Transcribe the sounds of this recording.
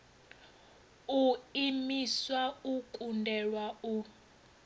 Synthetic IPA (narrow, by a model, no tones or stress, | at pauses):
uimiswaukʼundʱɛlwau